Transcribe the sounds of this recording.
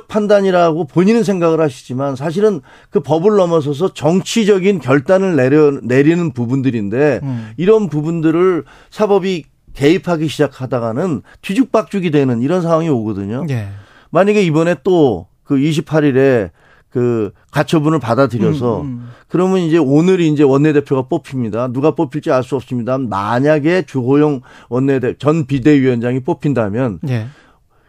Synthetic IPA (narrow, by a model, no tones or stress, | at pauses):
pʰandaɲiɾaɡopoɲinɯns̬ʰeŋɡaɣɯɭhaɕʰi̥d͡ʑimansʰaɕ̬ʰiɾɯn | kɯpʌbɯɭːʌmʌs̬ʰʌs̬ʰʌt͡ɕʌŋt͡ɕʰid͡ʑʌɡinkjʌɭt͈anɯɭeɾʌne̞ɾinɯnpubundɯɾinde̞iɾʌnpubundɯɾɯɭ | sʰabʌbi | ke̞ipʰaɡiɕʰid͡ʑakʰadaɣanɯn | tɥid͡ʑuk̚p͈ak̚t͡ɕ͈uɡidwe̞nɯniɾʌns̬ʰaŋwaŋioɡʌdɯɲo | maɲaɡe̞ibʌne̞t͈o | kɯiɕ̬ʰipʰaɾiɾe̞ | kɯ | kat͡ɕʰʌbunɯɭpadadɯɾjʌsʰʌkɯɾʌmɯnind͡ʑe̞onɯɾiːnd͡ʑe̞wʌnːe̞de̞pʰjoɣap͈opʰimɲidanuɡap͈opʰiɭt͡ɕ͈iaɭs͈uʌps͈ɯmɲidanma̰ɲaɡe̞t͡ɕuɦojoŋwʌnːe̞det͡ɕʌnpide̞ɥiʌnd͡ʑaŋip͈opʰindamjʌn